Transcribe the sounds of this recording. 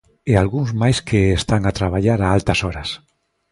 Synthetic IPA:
ealɣuŋzmajskʰeːst̪aŋat̪ɾaβ̞aʎaɾaalt̪asɔɾas

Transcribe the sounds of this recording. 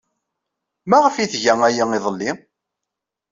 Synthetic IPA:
mæʁəfiθʝæŋæjiiðˤəlːi

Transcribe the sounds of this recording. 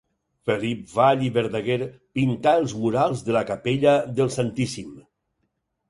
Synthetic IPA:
fəlip̚vaʎiβəɾðəɣeɾpint̪aəlˠzmuɾalˠzðəlakapeʎəðəlˠsant̪isim

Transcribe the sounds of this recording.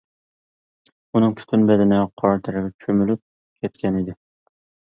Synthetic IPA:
unɨŋpʰy̥t̪ʰynbɛd̪ɪnɪqʰɑɾt̪ʰɪɾɪɡʲɛt͡ʃʰømylyp̚ | kʲʰɛt̪̚kʲɛnid̪ɪ

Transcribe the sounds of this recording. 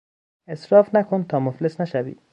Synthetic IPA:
esɾɒːfnækʰont̪ʰɒːmoflesnæʃævḭː

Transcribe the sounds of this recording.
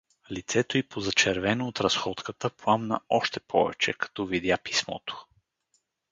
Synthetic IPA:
lit̪sɛt̪oipozɐt͡ʃɛɾvɛnoːt̪ɾɐsxɔt̪kət̪əplˠamnə̰ɔʃt̪ɛpʰɔ̰vɛ̰t͡ʃɛ̰kɐ̥t̪ɔvid̪japi̥smɔ̰t̪o̥

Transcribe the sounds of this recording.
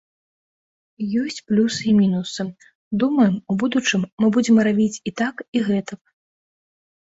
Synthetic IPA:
jɔsʲt͡sʲplʲusimʲinusɨ | d̪umɐjɛmubud̪ut͡ʂɨmːɨbud͡zʲɛmɾavʲit͡sʲit̪akiɣɛt̪ɐp

